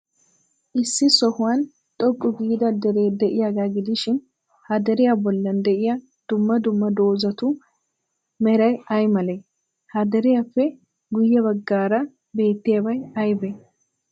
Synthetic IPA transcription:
ʔɪsːɪsɔhʊwan | t̪ʼɔkʼːʊɡiːd̪ɐd̪ɛɾe̞ːd̪ɛʔɪjaɡ̪aɡɪd̪ɪʃɪn | hɐd̪ɐɾɪjabɔlːɐnd̪ɛʔɪjɐ | d̪̥ʊmːɐd̪ʊmːɐd̪o̞ːzɐt̪ʊ | mɛɾɐjɐjmɐle | hɐd̪ɐɾɪjafːɛ | ɡʊjːɛβɐɡːaːɾɐ | be̞ːt̪ːɪjɐbɐjɐjbɛ

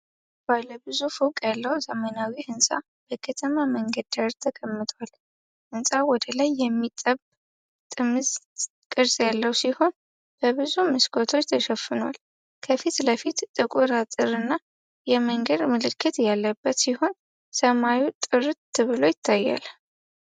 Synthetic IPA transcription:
baləbɨzufɨkʼjalːəwzəmənawiʔɨnsʼa̰ | b̥əkʰət̪ʰəmaməŋɡəd̪aɾt̪ʰːəkʼəmːɨt̪ʰwal | ʔɨnsʼawɔd̪əlajːɛmːit̪ʼəb | t̪ʼɨmɨz | kʼɨɾsʼjalːəwsiho̞n | b̥əβɨzumɨskʰot̪ʰo̞t͡ʃːt̪ʰəʃɛfːɨnwa̰l | kʰəfit̪ləfit̪t̪ʼɨkʼuɾat̪ʼɨɾɨnːa | jɛməŋɡəd̪mɨlɨkʰːɨt̪jalːəbːət̪siho̞n | səmajut̪ʼɨɾt̪ʰːɨβɨlo̞jɪt̪ʰːajːa̰l

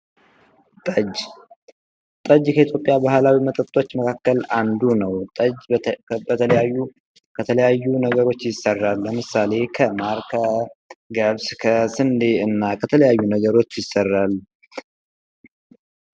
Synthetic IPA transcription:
t̪ʼəd͡ʒ | t̪ʼəd͡ʒkʰəit̪ʰjo̞pʼːjabahlawimət̪ʼət̪ʼːo̞t͡ʃːməkʰakːəland̪unəwt̪ʼəd͡ʒbət̪ʰələjajːu | kʰət̪ʰələjajːunəɡəɾo̞t͡ʃːjɪsːərːalːəmɨsale̞kʰəmaɾkʰəɡəβskʰəsɨnd̪e̞ɨnːakʰət̪ʰələjajːunəɡəɾo̞t͡ʃːjɪsːərːal

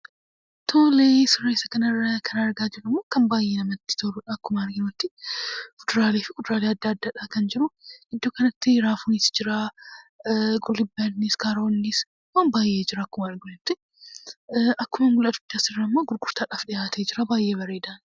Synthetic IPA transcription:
t̪ʰoːleːsɪrːeːsɐkɐnɐrːɐkʰɐnɐɾɡaːd͡ʒɪrʊmːoːkɐnbaːjːeːnɐmɐt̪ːɪ̥t̪ʰoɾʊᶑɐːkːʊmaːnɡɪnot̪ːɪkʊd̪ɾaːleːfɪkʊd̪ʊɾaːleɐd̪ːɐːɐd̪ːɐᶑaːkɐnd͡ʒɪɾʊɪd̪ːoːkɐnɐt̪ːɪɾaːfʊnɪsd͡ʒɪɾa | ɡʼʊlːɪbɐnniskaːɾoːnːɪs | waːnbaːjːe̞ːd͡ʒɪɾɐɐkːʊmɐɾɡʊɪt̪ːɪ | ʔɐkːʊmɐnɡʊlɐt̪ʊ̥t̪ːasɪrːɐmːaɡʊɾɡʊɾt̪aːᶑaːfᶑɪjaːt̪ʰeːd͡ʒɪɾɐbaːjːeːβɐɾeːd̪aːn

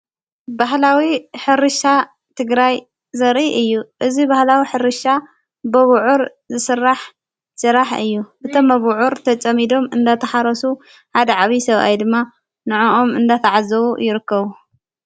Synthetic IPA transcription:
baɦlawiħɨɾɨʃa | t̪ʰɨɡɾaj | zɐɾʔiʔɨjːuʔɨzibahlawiħɨɾɨʃa | bɐβʕuɾ | zɨsɨrːaħ | sɨɾaħɨ̰jːuʔɨt̪ʰomːɐβʕuɾt̪ʰɐt͡sʼɐmid̪o̞mɨnd̪at̪ʰɐħaɾɐsu | ħad̪ɐʕaβisɐβʔa̰jd̪ɨmːa | nɨʕoʔomɨnd̪at̪ʰaʕazɐβujɪɾɨkːɐβu

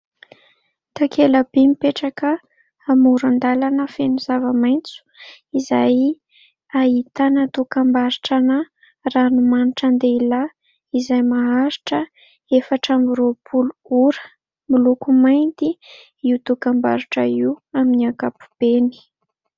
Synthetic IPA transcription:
t̪akʰeləb̥emipeʈ͡ʂakəː | muɾand̪alanəfenuzavəmajnt͡su̥ | izaj | ait̪anət̪ukambaɾiʈ͡ʂanə | ranumaniʈ͡ʂand̪eila | izajmaɦaɾiʈ͡ʂə | efaʈ͡ʂamiɾopuluuɾə̥ | milukumajnd̪i | iwt̪ukamba̰ɾiʈ͡ʂəiaminiakapu̥b̥eni̥

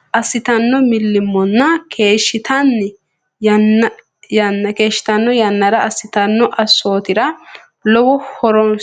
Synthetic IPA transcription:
ʔɐsːɪt̪ɐnːɔmɪlːɪmːɔnːɐkʰe̞ːʃːɪt̪ɐnːɛ | jɐnːɐ | jɐnːɐke̞ːʃːɪ̥t̪ɐnːɔjɐnːɐɾɐɐsːɪt̪ɐnːɔʔɐsːo̞ːt̪ɪɾɐ | lɔwɔhɔɾɔn

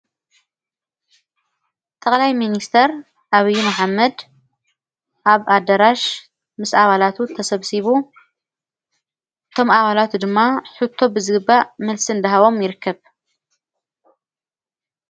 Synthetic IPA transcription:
t̪ʰʼɐkʼlajminist̪ʰɐɾ | ʔaβɨjːumɐħamːɐd̪ | ʔaβad̪ɐɾaʃ | mɨsaβalat̪ʰut̪ʰɐsɐβsiβu | ʔɨt̪ʰo̞mʔaβalat̪ʰud̪ɨmːaħut̪ʰːo̞bɨzɨɡɨbːamɐlsɨnd̪ɐɦaβo̞mjɪɾɨkʰːɐβ

